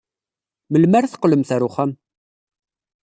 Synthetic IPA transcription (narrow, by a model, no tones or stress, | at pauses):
məlmæɾθə̥qːləmθæɾʊχæm